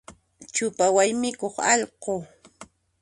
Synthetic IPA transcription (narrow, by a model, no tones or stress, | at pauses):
t͡ʃʊpawajmɪkoχɑʎqo